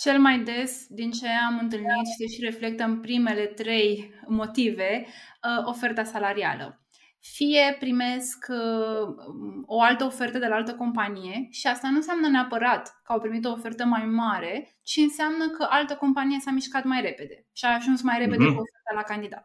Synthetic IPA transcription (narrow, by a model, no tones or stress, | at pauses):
t͡ʃe̞lmajd̪e̞sd̪int͡ʃe̞amɨnt̪̬ɨlnit̪ʃiseʃiɾe̞fle̞k̚t̪əmpɾime̞le̞t̪ɾe̞jmo̞t̪ive̞ | o̞fe̞rt̪asalaɾia̰lə̰ | fije̞pɾime̞sk | o̞alt̪əofe̞rt̪əd̪e̞laalt̪əko̞mpanije̞ʃiast̪anunseamnəneapəɾat̪kəawpɾimit̪o̞ːfe̞rt̪əmajmaɾe̞ | t͡ʃiɨnseamnəkəʔalt̪əko̞mpanije̞samiʃkat̪majre̞pe̞d̪e̞ʃiaːʒunsmajɾe̞pe̞d̪ekofert̪alakand̪id̪a̰t̪